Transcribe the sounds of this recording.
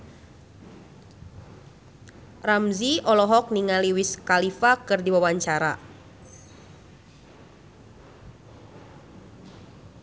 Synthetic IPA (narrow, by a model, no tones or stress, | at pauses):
ramziɔlɔɦɔk̚niŋaliwiskalifakɨrdiwawaɲt͡ʃaɾa̰